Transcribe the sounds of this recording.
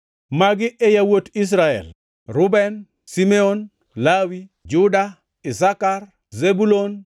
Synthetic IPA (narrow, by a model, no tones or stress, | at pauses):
maɡɪʔɛjawotis̬ɾaɛ̰l | ɾʊbɛn | simɛon | lawid͡ʒʊda | ɪsakar | zebulon